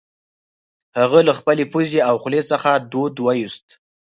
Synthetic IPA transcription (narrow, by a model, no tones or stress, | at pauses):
haɣəlaxpəlepuzeawxlesəxad̪od̪wajust̪